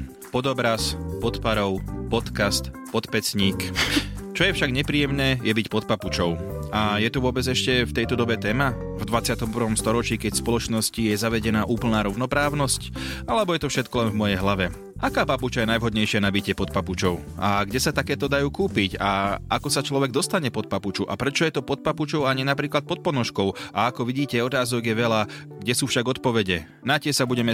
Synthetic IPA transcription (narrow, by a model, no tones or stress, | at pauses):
pɔd̪ɔbɾaspɔt̪paɾɔʊpɔt̪kast̪ | pɔt̪pɛt͡sɲiːk | t͡ʃɔjɛfʃaɡɲɛpɾiːjɛmnɛːjɛbicpɔt̪̚paput͡ʃɔʊajɛt̪uʋʊɔbɛd͡zɛʃcɛft̪ɛjt̪ɔd̪ɔbɛt̪ɛːma | vd̪ʋat͡sɪat̪ɔmpɾ̩ʋɔmst̪ɔɾɔt͡ʃiːkɛcspɔlɔt͡ʃnɔscijɛzaʋɛɟɛnaːʔuːpl̩naːɾɔʊnɔpɾaːʊnɔscalɛbɔjɛt̪ɔfʃɛt̪kɔlɛnvmɔjɛjɦlaʋɛ | ʔakaːpaput͡ʃajɛnajʋɦɔd̪ɲɛjʃɪanabicɛpɔt̪̚paput͡ʃɔʊaɡɟɛsat̪akɛːt̪ɔd̪ajuːkuːpicaakɔsat͡ʃlɔʋɛɡd̪ɔst̪aɲɛpɔt̪̚paput͡ʃuʔa̰pɾɛt͡ʃɔjɛt̪ɔpɔt̪̚paput͡ʃɔʊaɲinapɾiːklat̪pɔt̪̚pɔnɔʃkɔʊʔaakɔʋiɟiːcɛɔt̪aːzɔɡjɛʋɛla | ɡɟɛsuːfʃaɡɔt̪̚pɔʋɛɟɛ | nacɪɛsabuɟɛmɛ